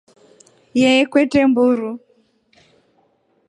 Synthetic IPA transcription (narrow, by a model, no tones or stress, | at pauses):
jɛɛkwɛtɛmbuɾu